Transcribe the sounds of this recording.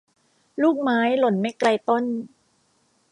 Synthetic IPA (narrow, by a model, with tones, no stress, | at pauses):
luː˥˩k̚maː˦˥jlo˨˩nma˦˥˩jkla˧jt̪o˥˩n